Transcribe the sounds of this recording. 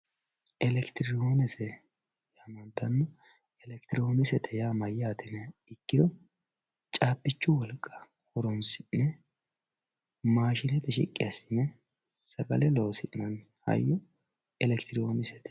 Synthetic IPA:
ʔɛlɛkt̪ɪɾo̞ːnɛsɛ | jaːmɐnt̪ɐnːɔ | ɛlɛkt̪ɪɾo̞ːnɪsɛt̪ʰɛjaːmɐjːaːt̪ɪnɛɪkːɪd̪ɔ | t͡ʃʼaːpːɪt͡ʃːʊwɔlkʼːɐ̥ | hɔɾɔnsɪnɛ | maːʃɪnɛt̪ɛʃɪ̰kʼːɪ̰ɐsɪnɛ | sɐɡɐlɛloːsɪnɐn | hɐ̰jːɔ | ɛlɛkt̪ɪɾoːnɪsɛ̥t̪ɛ̥

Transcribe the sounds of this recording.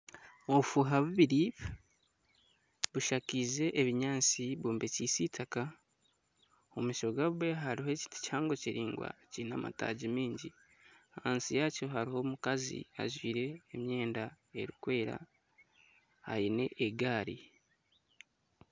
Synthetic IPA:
o̞βufuɦaβuβiɾi | βuʃakize̞ʔeβiɲaːt͡siβoːmbecisitʰaka | omiʃo̞ɡaβwe̞ɦaɾiɦoci̥ti̥caːŋɡo̞ciɾiːŋɡwa̰cinama̰ta̰ːɟimiːɲɟi | haːnsijacoɦaɾiho̞mukazḭa̰ʒwiːɾe̞ːmje̞ːnda | e̞̰ɾikwe̞ːɾa̰ | ha̰jine̞̰ʔeɡaːɾi

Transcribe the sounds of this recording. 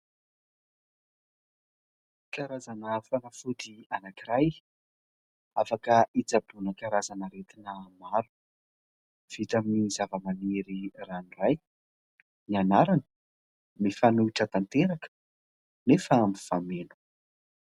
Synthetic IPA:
kaɾazanəfanafud̪ianakiɾaj | afakəʔit͡sabunəkaɾazanəɾet̪inəmaɾu̥ | v̥it̪aminizavəmaneɾiraniraj | nianaɾanə̥ | mifanuiʈ͡ʂət̪ant̪eɾakə̥ | nefəmiv̥amenu̥

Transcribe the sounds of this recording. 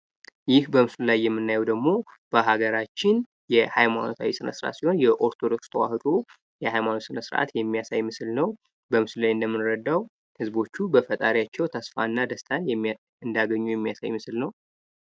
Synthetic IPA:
jɪhbəmɨsɨllajːɛmːɨnːajɛwd̪əɡmo̞b̥əɦaɡəɾat͡ʃːɪn | jɛhajmano̞t̪ʰa̰wisɨnə̰sɨɾʔa̰t̪siho̞njɛʔo̞ɾt̪ʰod̪o̞kst̪ʰəwa̰hɨt̪ʰʼo | jɛhajmanosɨnəsɨɾʔa̰t̪jɛmːijasajmɨslnəw | bəmɨsɨllajɨnd̪əmːɨnɾəd̪ːaw | hɨzbo̞t͡ʃːubəfət̪ʼaɾijat͡ʃːɛwt̪ʰəsfanːad̪əst̪ʰanjɛ | ɨnd̪aɡəɲːujɛmːijasa̰jmɨsɨlnəw

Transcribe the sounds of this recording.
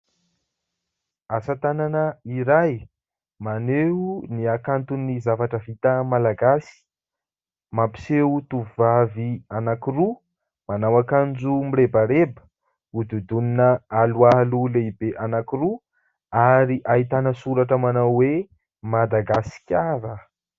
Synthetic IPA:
asat̪ananəiɾaj | maneuniakant̪unizavaʈ͡ʂəvit̪əmalaɡasi̥ | mapi̥seut̪uvvavianakiru | manawakand͡ʒumirebaɾebə̥ | ud̪ud̪uninəalualuleibeʔanakiɾu | aɾiʔaɦit̪anəsuɾaʈ͡ʂəmanawwe | mad̪aɡasi̥kʲaɾə

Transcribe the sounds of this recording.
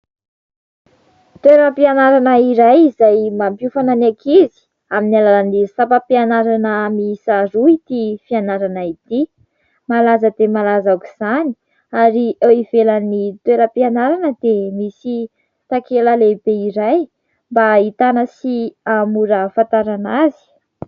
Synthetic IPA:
t̪weɾəpianaɾanəiɾajizajmampufananakʰizi̥ | aminalalanisapapianaɾanəmisaɾuit̪ifianaɾanait̪i | malazəd̪emalazakuz̥ani̥ | aɾiʔeivelənit̪weɾəpianaɾanəd̪emisi | t̪akeləlebeiɾaj | mbait̪anəsiamuɾəfant̪aɾanazi̥

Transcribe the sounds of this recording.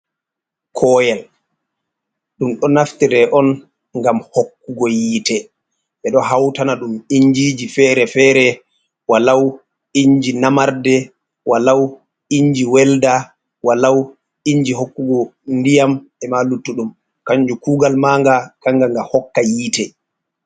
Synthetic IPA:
kʰɔːjɛl | ɗumɗɔnaftiɾɛʔɔn | ŋɡamhokːuɡɔjiːtɛ | ʔɛɗɔɦawtanaɗumiɲd͡ʒid͡ʒifɛɾɛfɛːɾɛ | walaw | iɲd͡ʒinamaɾdɛ | walaw | iɲd͡ʒiwɛlda | walaw | iɲd͡ʒiɦokːuɡɔndijamɛmalutːuɗum | kaɲd͡ʒukuːɡalmaŋɡakaŋɡaŋɡahɔkːajiːtɛ

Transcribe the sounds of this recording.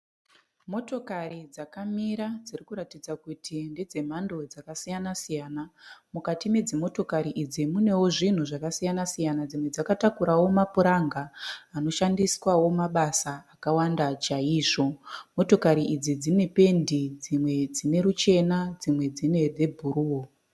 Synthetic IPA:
mo̞to̞karid͡zakamiɾad͡zirikuɾatid͡zakutʰinde̞d͡ze̞m̤ando̞d͡zakasijanasijaːnamukatime̞d͡zimo̞to̞kaɾiʔid͡zimune̞wo̞ʐin̤uʐakasijanasijanad͡zimwe̞d͡zakatakuɾawo̞mapuɾaŋɡaːno̞ʃandiswawo̞maɓasaːkawandat͡ʃaiːʐo̞mo̞to̞kaɾiʔid͡zid͡zine̞pe̞ndid͡zimwe̞d͡zine̞ɾut͡ʃe̞nad͡zimwe̞d͡zine̞d͡ze̞bʱuɾuːo

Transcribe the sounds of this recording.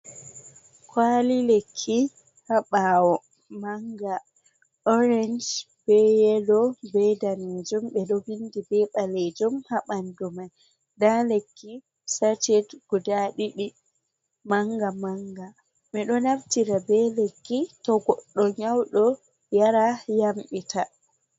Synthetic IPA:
kʰwalilekʰːi | haɓawɔ | maŋɡa | ɔɾɛnd͡ʒ | b̥ɛjɛɗɔbɛjdaned͡ʒumɓɛɗɔwindibɛɓaled͡ʒumhaɓandumaj | dalekːi | sat͡ʃɛdɡ̥udaɗiɗi | maŋɡamaŋɡa | miɗɔnaftiɾabɛlekːitɔɡɔɗːɔɲawɗɔ | jaɾajamɓita

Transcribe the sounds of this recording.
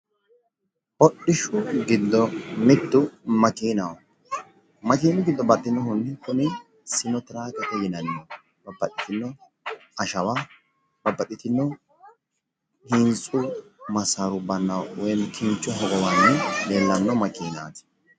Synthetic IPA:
bɔɗːɪʃʊɡɪd̪ːɔmɪd̪ːʊmɐkiːnɐw | mɐkiːnɪɡɪd̪ːɔbɐd̪ːɪnːɔhʊnɪkʊnɪ | sɪnɔt̪ɪɾaːkɐt̪ɛjɪnɐnːɔ | b̥ɐbːɐt̪ʼːɪt̪ɪnːɔ | ɐʃɐwaː | b̥ɐbːɐt̪ʼːɪt̪ɪnːɔ | hɪnt͡sʼʊmɐsaɾʊbɐnːɐwwɔjnkʰɪnt͡ʃʼːɔɦɔɡɔwɐnːɪneːlːɐnːɔmɐkiːna̰ːt̪ɪ̥

